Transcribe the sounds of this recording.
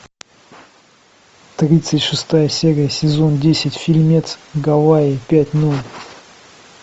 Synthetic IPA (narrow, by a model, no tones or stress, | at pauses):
t̪ɾʲit̪sɨtʲʂɨst̪ajəsʲeɾʲɪjəsʲɪzo̞ndʲesʲɪtʲfʲilʲmʲet̪sɡɐvaɪpʲætʲnolʲ